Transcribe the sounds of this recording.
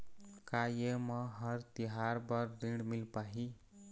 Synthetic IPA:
kajemʌɦʌɾt̪iɦaɾbʌɾɾiɽmilpaɦi

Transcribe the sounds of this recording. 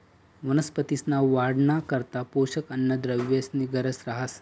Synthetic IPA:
ʋənəspət̪isnaʋaɽɳakəɾt̪apoʃəkənːəd̪ɾəʋjəsniɡəɾəsɾaɦəs

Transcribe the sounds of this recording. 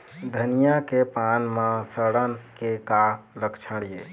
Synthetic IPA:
d̪ʱənijakepanmãsəɽənkekaləkʰt͡ʃʰəɽije

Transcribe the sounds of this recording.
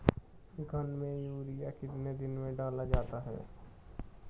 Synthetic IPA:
ɡʱɐnmẽjuːɾijakɪt̪ned̪ɪnmẽɖaːlad͡ʒaːt̪aɦɛ̰ː

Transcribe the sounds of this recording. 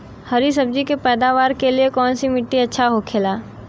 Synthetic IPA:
hɐɾisɐb̚d͡ʒikepɛːd̪aːʋaːɾkeliekɔːnsimɪʈːiɐtːʃʰaɦokʰeːlaː

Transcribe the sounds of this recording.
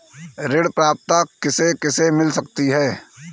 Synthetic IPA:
ɾɪɽpɾaːp̚t̪akɪsekɪsemɪlsɐkt̪iɦɛː

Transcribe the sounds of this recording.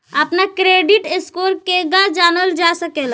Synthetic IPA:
əpnakɾeɖiʈeskoɾkeɡad͡ʒanəld͡ʒasəkel

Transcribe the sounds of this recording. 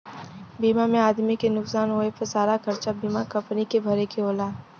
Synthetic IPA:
biːmamẽaːd̪mikenʊksaːnɦoːepɐɾsaːɾakɐɾt͡ʃabiːmakɐ̃mpnikebʱɐɾekeoːlaː

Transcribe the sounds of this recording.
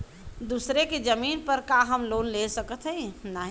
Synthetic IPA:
d̪usɾeked͡ʒəminpəɾkaɦəmlonlesəkət̪ʰɦəinaɦi

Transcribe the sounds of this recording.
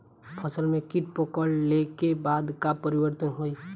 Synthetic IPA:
pʰəsəlmẽkɪʈ̚pokɔllekebaːd̪kapəɾɪwəɾt̪ənɦoːi

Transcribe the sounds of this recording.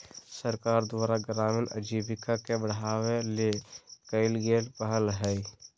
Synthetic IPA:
səɾkaːɾd̪waːɾaɡɾaːmɪnə̰d͡ʒiːbɪkakebəɽ̤aːwelekəɪlɡeːlpəɦəlɦɛi

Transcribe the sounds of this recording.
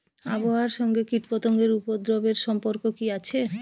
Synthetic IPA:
a̰boɦaɾʃɔŋɡekiʈpɔt̪oŋɡeɾupod̪ɾobeɾʃɔmpoɾkokiat͡ɕʰe

